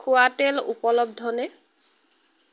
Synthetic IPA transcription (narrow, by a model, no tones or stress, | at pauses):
uatelṵpɔlɔb̚dʱɔnɛ